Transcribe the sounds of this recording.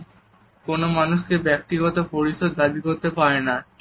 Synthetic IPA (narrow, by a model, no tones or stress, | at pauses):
konomanuʃkebɛk̚t̪iɡɔt̪opoɾiʃod̪d̪abikoɾt̪epaɾena